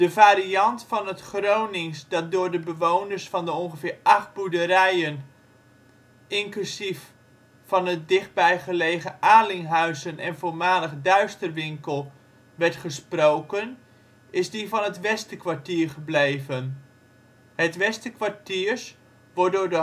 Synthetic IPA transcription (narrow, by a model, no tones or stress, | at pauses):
d̥əvaːɾiɑntfɑnɦətχrownɪŋsdɑt̚dʊːɹdəbəʋownəɹsfɑndəɔŋχəvɪːɹʔɑχt̚buɹdəɾɛjən | ɪŋklysif | fɑnɦət̚dɪχt̚bɛjχəlejχəʔaːlɪŋɦœɥzənɛnvoːɹmaːləχdœɥstərʋɪŋkəlˠ | ʋɛɹtχəsprowkən | ɪzdivɑnɦətʋɛstəkʋaɹtiːɹχəblejvən | hətʋɛstəkʋaɹtiːɹs | ʋɔɹ̚dʊːɹdə